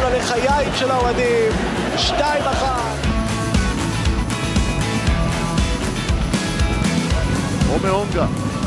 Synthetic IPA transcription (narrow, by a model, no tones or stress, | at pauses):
valeχajaimʃelaoad̪im | ʃtaimaχa | t̪ | omeoŋɡa